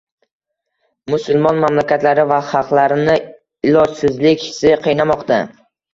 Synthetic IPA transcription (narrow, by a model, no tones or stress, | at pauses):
mʊsʊlˠmɒnmamlakʲat̪laɾɪvaχɑqlˠaɾɪnɪ | ɪlɒd͡ʒsɪzlɪkʲhɪ̥sɪqʰijnamɒqt̪a